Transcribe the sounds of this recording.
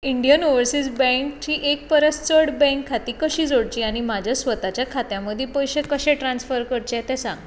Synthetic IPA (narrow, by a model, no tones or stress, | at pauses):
iɳɖijənoʋəɾsid͡zbɛ̃ŋkt͡ɕiːʔek̚pəɾəst͡səɽbɛ̃ŋkʰːat̪iːkəɕiːd͡zoɽt͡ɕiːaɽ̃imad͡ʑʱjasʋət̪at͡ɕjakʰat̪jãməd̪ʱːjepəjɕekəɕɛʈɾansfəɾkəɾt͡ɕet̪ɛ̃sã̰ŋɡ